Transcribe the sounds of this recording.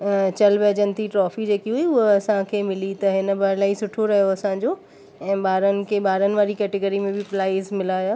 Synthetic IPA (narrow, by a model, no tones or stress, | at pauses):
t͡ɕɐlʋɛːd͡ʑənɪt̪ʰiʈɾɔːfid͡ʑeːkiɦuiʊɦoɐsãkʰeːmɪlit̪ɐɦɪnə̆baːɾlaːisʊʈʰoɾɐɦijoɐsãɲd͡ʑoː | ɛ̃ːɓaːɾənɪ̆kʰeɓaːɾənɪ̆ʋaːɾikɛːʈeɡəɾimẽbʱɪplaːɪzmɪlaːjaː